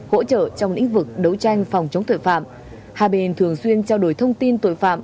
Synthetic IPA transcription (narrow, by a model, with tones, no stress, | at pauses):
ho̰˧˥t͡ɕə̰ː˧˨t͡ɕɔ˧ŋ͡mlḭ̈˧˥ŋ̟vɨ˨˩k̚ɗə˨˦wt͡ɕa˧jŋ̟fɔ˨˩wŋ͡mt͡ɕə˨˦wŋ͡mt̪o̰˧˨jfa̰ː˧˨m | haː˧˩ɓe˧˨˩nt̪ʰɨ˨˩əŋswi˧ənt͡ɕaː˧wɗo˧˩jt̪ʰə˧wŋ͡mt̪i˧nt̪o̰˧˨jfa̰ː˧˨m